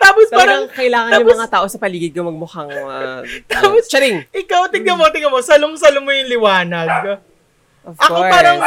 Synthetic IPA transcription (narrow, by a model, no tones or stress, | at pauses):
t̪aːposppaːɾɐŋkɐʔɪlaːŋɐnaːʊmɐŋatt̪aːʔo̞sɐpɐliːɡɪd̪̚komɐɡ̚mʊhɐŋɐt̪apost͡ʃɐɾɪŋʔɪkawt̪ɪɡɐmot̪ɪɡɐmosɐlʊmsɐlʊmːʊjʊŋlɪwaːnɐd̪̚ko | ʔoʔɐkopaːɾɐŋ